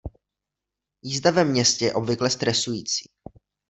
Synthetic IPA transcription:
jiːzd̪avɛmɲɛscɛjɛʔo̞bvɪklɛst̪ɾɛsujiːt͡si̥ː

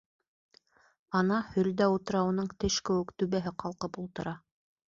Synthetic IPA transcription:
ɑnɑhɵ̆ld̪æut̪ɤ̆ɾɑunɤɴt̪ɘʃkɘ̆wɘ̆kt̪ʉβæɦɘqʰɑlˠqɤpulˠt̪ɤ̆ɾɑ

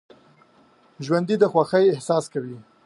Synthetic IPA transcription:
ʒwand̪id̪əxwaxəjɪhsɑskawi

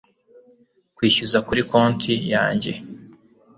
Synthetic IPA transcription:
kwiːʃuzakuɾiko̞ːntʰija̰ːɲɟe̞̰

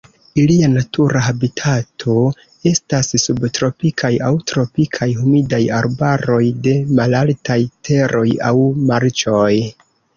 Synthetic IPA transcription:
ilianatuɾaɦabitʰatʰo̞ | e̞stasːubtɾo̞pikʰajawtɾo̞pikʰajhumidajaɾbaɾo̞jde̞malaltajtʰe̞ɾʔo̞ja̰wmaɾt͡ʃo̞j

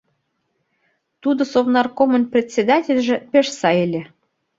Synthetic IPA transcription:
t̪ud̪ŏsovnɑrkomə̆nprʲet̪ʲsʲed̪ɑtʲelʲʒĕpʲeʃsɑelʲĕ

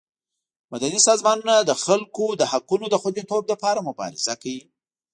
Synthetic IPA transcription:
mad̪anisɑzmɑnunad̪əxalkod̪əhaqunod̪əxwad̪et̪ob̚lapɑɾamʊbɑ̰ɾɪ̰z̥akawi

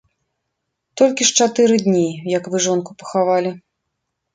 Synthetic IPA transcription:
t̪ɔlʲkʲiʂt͡ʂat̪ɨɾɨd̪ʲnʲijɐkvɨʐɔnkupɐ̥xavalʲi

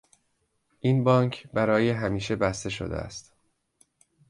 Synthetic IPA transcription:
ʔiːnbɒːŋcʰbæɾɒːjeɦæmiːʃe̞bæst̪e̞ʃo̰d̪ḛæ̰st̪

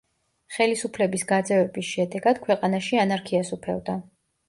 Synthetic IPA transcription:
χɛlisupʰlɛbisɡad̪zɛvɛbisʃɛd̪ɛɡad̪̥kʰwɛqʼanaʃianaɾkʰiasupʰɛ̰vd̪a

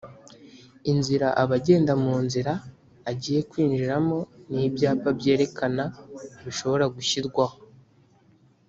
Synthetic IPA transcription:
inziɾaʔaβaɟe̞ːndamuːnziɾaː | ɟiːje̞kwiːnd͡ʒiɾamo̞nibjaːpabje̞ːɾe̞kʰanaβiʃo̞βo̞ɾaɡuçiɾɡwaho

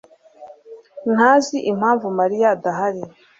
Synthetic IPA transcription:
n̥haːziʔim̥haːɱvumaɾijadaɦaɾi

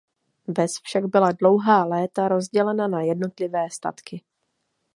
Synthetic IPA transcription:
vɛsfʃaɡbɪladlo̞wɦaːlɛːt̪aɾo̞zɟɛlɛnanajɛdno̞t̪lɪvɛːst̪a̰t̪kɪ

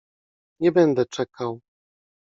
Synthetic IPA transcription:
ɲɛbɛnd̪ɛt͡ʂɛkaw

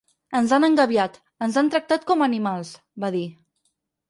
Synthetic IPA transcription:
ənzanəŋɡəβjat̪ | ənzant̪ɾək̚t̪at̪̚kɔmənimalˠs | baði

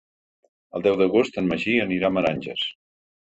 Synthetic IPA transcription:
əlˠd̪ɛwðəɣost̪ənməʒiəniɾaməɾanʲʒəs

